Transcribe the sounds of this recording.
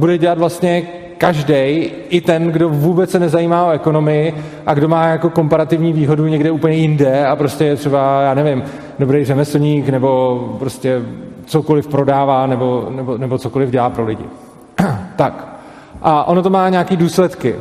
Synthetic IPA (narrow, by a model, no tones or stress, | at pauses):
budɛɟɛlat̪vlast̪ɲɛ | kaʒdɛj | ʔɪt̪ɛnɡdo̞vuːbɛt͡ssɛnɛzajiːmaːʔoɛko̞no̞mɪɪ | ʔaɡdo̞maːjako̞ko̞mpaɾat̪ɪvɲiːviːɦo̞duɲɛɡdɛuːpəɲɛjɪndɛapɾo̞scɛjɛt̪r̥ɛbajaːnɛvɪm | dobɾejrɛmɛsl̩ɲiːknɛbo̞pɾo̞scɛt͡soko̞lɪfpɾo̞daːvaːnɛbo̞nɛbonɛbot͡sokolɪvɟɛlaːpɾo̞lɪɟɪ̰ | t̪ak | ʔaʔo̞not̪o̞maːɲaːkiːduːslɛt̪kɪ